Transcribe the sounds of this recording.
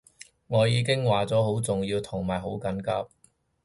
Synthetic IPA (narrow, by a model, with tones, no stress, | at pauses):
ŋɔː˨˧jiː˨˧k̬ɪ˥ŋwaː˨t͡sɔː˨˥ho˨˥wt͡sʊ˨ŋjiː˧wt̪ʰʊ˨˩ŋmaː˨˩jɦo˨˥wkɐ˨˥nkaː˧˥p̚